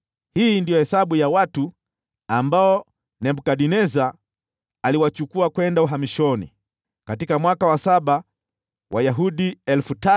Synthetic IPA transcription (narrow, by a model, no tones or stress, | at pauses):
hiːndijɔhɛsaɓujawatu | ambaɔ | nɛmbukaɗinɛzaː | liwat͡ʃukuakwɛndauɦamiʃɔnḭ | katikamwakawasaɓa | wʔajaɦuɗiɛlfuta